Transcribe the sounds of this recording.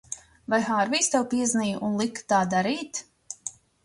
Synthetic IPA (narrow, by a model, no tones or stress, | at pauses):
vajhaːɾviːst̪ɛwpiɛznijʔunlˠikːt̪aːd̪aɾiːt̪